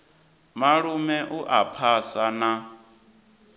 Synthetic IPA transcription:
maɺumɛʔuʔapʰasana

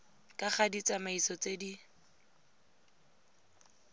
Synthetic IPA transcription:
kʼaχadit͡sʼamaisɔt͡sedi

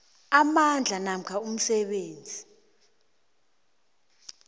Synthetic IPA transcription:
amand͡ɮʱanam̩kʰaum̩sɛɓeːnd͡zʱi

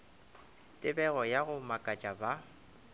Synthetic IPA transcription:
tʼɪbɛɣɔjaɣʊmakʼat͡ʃʼaba

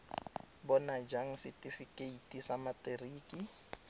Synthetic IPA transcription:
bɔnad͡ʒaŋ̩sitʼifikʼeitʼisamatʼeriːkʼi

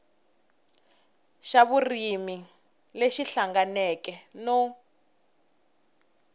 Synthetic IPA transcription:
ʃaβurimi | leʃiɬaŋɡanɛkɛnɔ

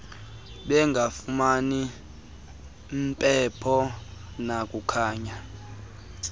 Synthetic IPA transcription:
ɓɛŋɡʱafumani | mpʼɛpʰɔ | nakʼukʰaːɲa

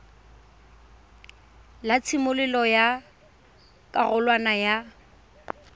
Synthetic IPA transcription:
lat͡sʰɪmʊlɪlɔja | kʼaɣʊlwanaja

